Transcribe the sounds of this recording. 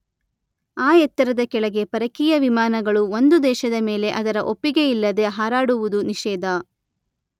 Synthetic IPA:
aːjɛt̪ːɐɾɐd̪ɐkɛɭɐɡe̞pɐɾɐkiːjɐʋimaːnɐɡɐɭuond̪ud̪ɛːʃɐd̪ɐmeːle̞ʔɐd̪ɐɾɐʔopːiɡe̞ilːɐd̪e̞ɦaːɾaːɽuʋud̪uniʃɛːd̪ɐ

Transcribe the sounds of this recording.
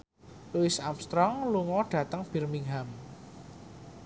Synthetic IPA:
luɪsamst̪ɾɔŋluŋɔɖ̥ä̤t̪əŋb̥i̤rmiŋɦam

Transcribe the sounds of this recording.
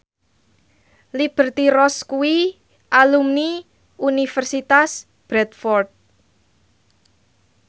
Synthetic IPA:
lib̥ə̤rt̪iɾɔskuwi | ʔalumni | unifɛrsit̪as | b̥ɾɛt̪fɔrt̪̚

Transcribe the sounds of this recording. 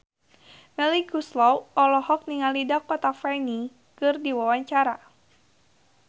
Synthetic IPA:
mɛlikuslɔwɔlɔhɔk̚niŋalidakɔt̪afani | kɨrdiwawaɲt͡ʃaɾa

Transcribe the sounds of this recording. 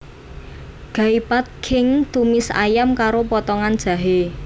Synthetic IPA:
ɡ̥a̤ipat̪̚kʰɪŋt̪umɪsa̰jamkaɾopɔt̪ɔŋand̥ʒ̥ä̤ɦe

